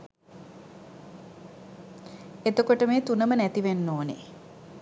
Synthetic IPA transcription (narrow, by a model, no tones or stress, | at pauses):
et̪okoʈəmeːt̪unəmənæt̪iʋenːoːnḛ